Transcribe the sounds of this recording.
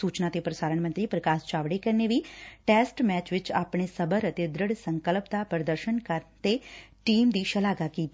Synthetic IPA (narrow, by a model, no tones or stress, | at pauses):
suːt͡ʃnat̪epɾəsaːɾəɳmənt̪ɾipɾəkast͡ʃaʋɽekəɾneʋiʈesʈmɛt͡ʃʋɪt͡ʃaːpɳ̃esəbəɾət̪ed̪ɾəɽsəŋkəlpt̪apɾəd̪əɾʃənkəɾt̪eʈiːmd̪iʃəlaɡakiːt̪